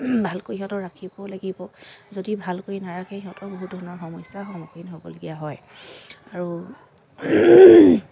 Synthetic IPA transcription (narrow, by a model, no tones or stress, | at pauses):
bʱalkojɦiɔ̃tɔɹakʰibɔlaɡibɔzodibʱalkojnaɹakʰɛɦiɔ̃tɔboɦudʱɔɹɔnɔɹxɔmɔjsaxɔmɔkinɦobɔ̰loɡijaɦɔj | aɹu